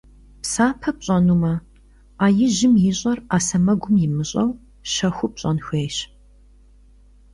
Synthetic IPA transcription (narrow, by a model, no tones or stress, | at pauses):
psaːpʰɐp̚ɕʼɐnuːmɐ | aːjɪʒɪmjɪɕʼɐraːsɐmɐɡʷʊmjɪmɨɕʼɐw | ʃɐxʷʊp̚ɕʼɐnxʷeːɕ